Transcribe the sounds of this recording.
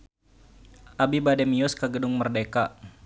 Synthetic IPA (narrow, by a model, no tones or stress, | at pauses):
ʔabibadɛmiɔskaɡədʊŋmərdeka